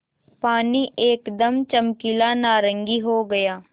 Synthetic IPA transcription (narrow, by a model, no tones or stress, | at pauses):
paːniːʔeːkd̪əmt͡ʃəmkilaːnaːɾə̃ŋɡiːɦoːɡəjaː